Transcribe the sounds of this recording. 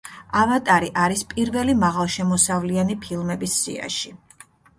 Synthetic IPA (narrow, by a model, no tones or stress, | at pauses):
avat̪ʼaɾiʔaɾispʼiɾvɛlimaʁalˠʃɛmɔsavlianipʰilˠmɛbisːḭa̰ʃi